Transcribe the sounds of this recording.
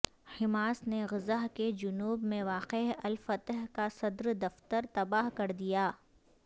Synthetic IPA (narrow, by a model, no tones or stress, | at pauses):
hɪmaːsneɣɪzaɦked͡ʒʊnuːbmẽʋaːqeɐlfɐt̪ɦkasɐd̪ɾd̪ɐft̪əɾt̪ɐbaːɦkɐɾd̪ijaː